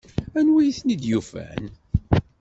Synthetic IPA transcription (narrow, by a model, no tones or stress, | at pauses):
ænwijiθnid̪jufæ̰n